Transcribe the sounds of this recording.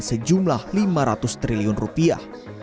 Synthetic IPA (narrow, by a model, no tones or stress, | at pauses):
nsəd͡ʒumlahlimaɾat̪ʊst̪ɾiliʊnrupia̰h